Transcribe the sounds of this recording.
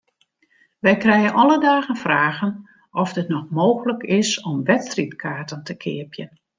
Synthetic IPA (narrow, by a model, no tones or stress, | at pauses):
ʋɛjkrɛjənʔɔlədaːɣənfraːɣən | ʔɔfdətnɔxmoːxələkɪsɔmʋɛtstritkʰaːtəntəkʰɪ̰ːəpʰjən